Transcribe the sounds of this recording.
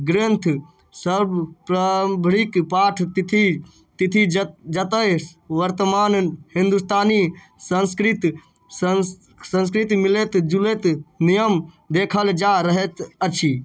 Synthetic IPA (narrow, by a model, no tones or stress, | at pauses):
ɡɾent̪ʰ | səɾbpɾabʱɾikpaʈʰt̪t̪ʰi | t̪it̪ʰid͡ʒət̪əʋəɾt̪əmaːnhĩnd̪ust̪aːni | sənskɾit̪ | sə̃ns̬kɾit̪milet̪d͡ʒulet̪nijəm | d̪ekʰəld͡ʒaɾəɦet̪ət͡ʃʰi